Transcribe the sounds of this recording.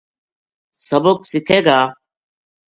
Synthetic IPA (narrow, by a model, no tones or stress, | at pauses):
səboksɪkʰeːɡaː